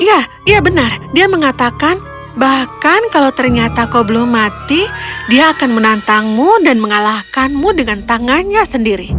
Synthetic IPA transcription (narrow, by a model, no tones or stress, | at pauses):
ija | ijabənardiaməŋat̪akan | bahkankalawt̪ərɲat̪akowbəlʊmːat̪idiaːkanmənant̪aŋmudanməŋalahkanmudəŋant̪aŋanɲasəndiɾi